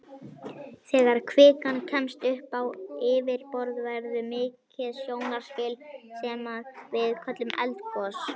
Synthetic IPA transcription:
θɛːɣaɾ̥kʰvɪːkancʰɛmst̪ʏhpawɪːvɪɾpɔɾðvɛɾðʏmɪːcɪðsjowŋaɾ̥spɪlsɛmaðvɪðkʰœt̪lʏmʔɛ̰lt̪kʰɔs

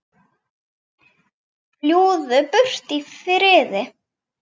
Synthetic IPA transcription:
pljuːðʏpʏr̥t̪ifɾɪːðɪ

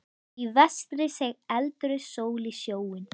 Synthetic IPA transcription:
ivɛst̪ɾɪsɛɛlt̪ɾʏsoːwlɪsjoːwɪn

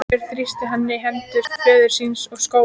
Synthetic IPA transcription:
ɛɾ̥θɾist̪ɪɦanːɪɦɛmt̪ʏst̪fœːðʏɾ̥sinsɔɣsko

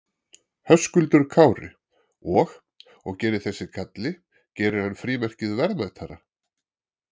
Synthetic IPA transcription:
hœskʏlt̪ʏɾ̥kʰaːwɾɪ̰ | ɔx | ɔɣcɛːɾɪθɛsːɪkʰat̪lɪ | cɛːɾʏɾhœnːfɾiːmɛr̥cɪðvɛɾðmaðt̪ʰaɾa

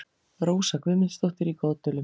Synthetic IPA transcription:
ɾoːwsakvɪmɪst̪oht̪ɪɾikaːt̪ʏlʏm

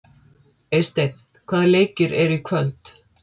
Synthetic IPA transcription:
ejst̪et̪n̥kʰvaːðleːjcɪɾʔɛɾikʰvœlt̪

